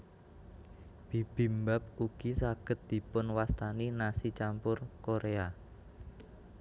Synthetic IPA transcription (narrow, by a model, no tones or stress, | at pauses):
b̥i̤b̥i̤mbap̚uɡ̥isaɡ̥ə̤t̪̚d̪̥i̤pʊnwast̪aninasit͡ʃampʊrkoɾea